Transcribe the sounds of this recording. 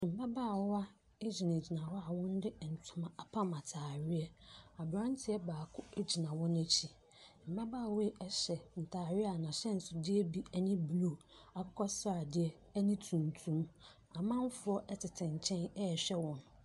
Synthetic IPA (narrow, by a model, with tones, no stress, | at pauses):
m̩˨ba˦baː˦˨˦a˦ | ɪ˦d͡ʑi˨ne˨d͡ʑi˨nã˨wɔ˦a˨wɔ̃˦n˦dɪ˦˨n̩˨tʰʊ̃˨mã˨a˨pʰã˦mã˨tʰaː˨ɾɪ˦ɛ˦a˨bɾã˦n˦tʰɪ˨˦ɛ˦baː˨kʰʊ˦e˦d͡ʑi˨nã˨wɔ̃˦n˦æ˦t͡ɕʰi˨ | m̩˨ba˦baː˦˨we˦˨ʔɛ˦ɕɛ˨n̩˨tʰaː˨ɾɪ˦a˨nã˨ɕɛ˦n̩˨sʊ˨dɪ˦ɛ˦bi˦ɛ˦nĩ˦blo˨a˨kʰɔ˦kʰɔ˦sɾa˨dɪ˦ɛ˦ | nĩ˦tʰũ˨n˨tʰũ˦m | a˨mã˦n˦fʊ˨˦ɔ˦ʔɛ˦tʰɪ˨tʰɪ̃˨ɲ˨t͡ɕʰɛ̃˦nɛ˦ɛ˨ɕᶣɛ˦wɔ̃˨˦n˨